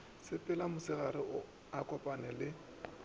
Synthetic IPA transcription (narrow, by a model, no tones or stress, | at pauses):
sɪpʼɪlamʊsɪɣaɾɪʊ | akʼɔpʼanɛlɪ